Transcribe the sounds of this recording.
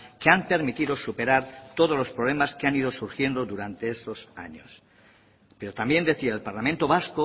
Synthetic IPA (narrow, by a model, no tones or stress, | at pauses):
keampe̞ɾmit̪iðo̞supe̞ɾaɾt̪o̞ð̞olo̞spɾoβle̞maskeaniðo̞suɾxje̞nd̪o̞ðuɾant̪e̞est̪o̞sa̰ɲo̰s | peɾot̪ambje̞nd̪e̞θiaelpaɾlamẽnt̪o̞βasko